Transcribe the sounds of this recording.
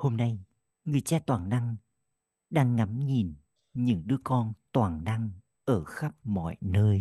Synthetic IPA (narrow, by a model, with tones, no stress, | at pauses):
ho˧mna˧j | ŋɨ˨˩əjt͡ɕaː˧t̪waː˨˩ŋna˧ŋ | ɗaː˧ŋːa˨˦mɲi˨˩n | ɲɨ̰˧˥ŋɗɨ˧˦əkɔ˧nt̪waː˨˩ŋna˧ŋ | ʔəː˧˩xa˦˥p̚mɔ̰˧˨jnəː˧j